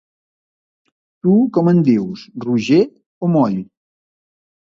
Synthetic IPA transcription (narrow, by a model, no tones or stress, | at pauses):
t̪ukɔmənd̪ewsruʒe | omɔʎ